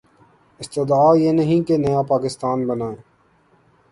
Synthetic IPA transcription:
ɪst̪ɪd̪aːjeːnəɦĩkenɐjaːpaːkɪst̪aːnbənaːeː

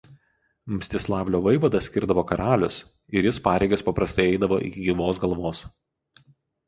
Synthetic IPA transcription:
mʲsʲt̪ʲɪslˠɑːʋʲlʲoːʋɐɪʋɐd̪ɐsʲkʲɪɾd̪ɐʋoːkɐɾɑːlʲʊs | ɪɾʲjɪspɑːɾʲɛɪɡɐspɐpɾɐst̪ɐɪɛɪd̪ɐʋoːʔɪ̰kʲɪɡʲiʋoːsɡɐlˠʋoːs

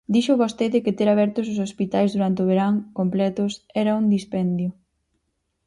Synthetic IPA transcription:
d̪iʃʊβost̪eðɪkɪt̪eɾaβ̞ɛɾt̪ʊs̬ʊsospit̪ajzðuɾant̪eoβ̞eɾaŋkomplɛt̪ʊsɛɾɐund̪ispɛnd̪jʊ

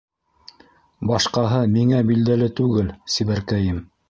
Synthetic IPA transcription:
bɑʃqɑɦɤmiŋæbild̪ælɘt̪ʉɡɘlsiβæɾkæjɘm

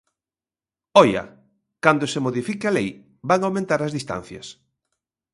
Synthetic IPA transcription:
ɔjɐ̰ | kand̪osemoðifikɪalej | baŋawmẽnt̪aɾɐzðist̪a̰n̟θjɐ̰s

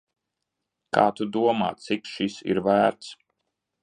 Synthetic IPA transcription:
ka̰ːt̪ud̪uɔma̰ːt̪sikʃisḭɾvæːɾt̪s

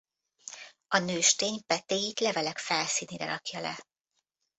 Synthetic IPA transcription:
ɒnøːʃt̪eːɲpɛt̪eːjit̪lɛvɛlɛkfɛlsiːniːɾɛ̰ɾɒkjɒlɛ̰

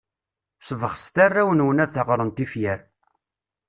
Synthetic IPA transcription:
svəχst̪ærːæwənwənæðθəʁɾˤənt̪ifjæɾ

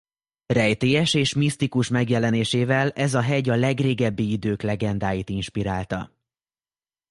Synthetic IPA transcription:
rɛjt̪eːɛʃeːʃmist̪ikuʃmɛɡjɛlɛneːʃeːvɛlɛzɒɦɛɟɒlɛɡreːɡɛbːiid̪øːklɛɡɛnd̪aːjit̪inʃpiɾaːlt̪ɒ̰

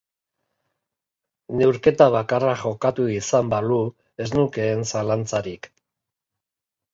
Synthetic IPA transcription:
ne̞wɾke̞t̪aβ̞akaraxo̞kat̪uisambalu | e̞znuke̞ːnsalant͡saɾik

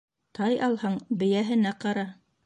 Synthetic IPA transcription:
t̪ɑjɑlˠhɤɴbɘ̆jæɦɘ̆næqɑɾɑ

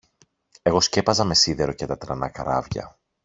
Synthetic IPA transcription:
e̞ɣo̞sce̞pɐzɐme̞siðeɾo̞cet̪ɐt̪ɾɐnɐkɐɾɐ̰vʝɐ̰

